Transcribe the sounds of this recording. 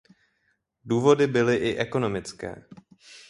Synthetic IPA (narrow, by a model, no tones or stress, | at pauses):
duːvo̞dɪbɪlɪʔɪʔɛko̞no̞mɪt͡skɛ̰ː